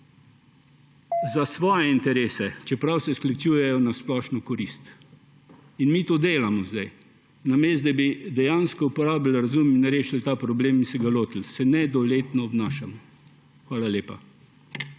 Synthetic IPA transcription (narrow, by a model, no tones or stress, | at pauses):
zasʋɔːjɛint̪ɛɾeːsɛt͡ʃɛpɾawsɛsklit͡ʃuːjɛjɔnasplɔːʃnɔkɔɾist̪ | inmiːt̪oːd̪eːlamɔzd̪a̰j | nameːsd̪ɛbid̪ɛjaːnskɔupɔɾaːbilɾazumminɾeːʃilt̪aːpɾɔbleːminsɛɡaloːt̪ilsɛnɛd̪ɔleːt̪nɔːbnaːʃamɔ | xʋaːlalʲeːpa̰